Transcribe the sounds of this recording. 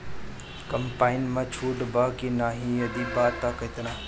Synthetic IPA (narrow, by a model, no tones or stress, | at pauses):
kɐmpaːinmãt͡ʃʰuːʈbaːkinaːɦĩjɐd̪ibaːt̪akɐt̪na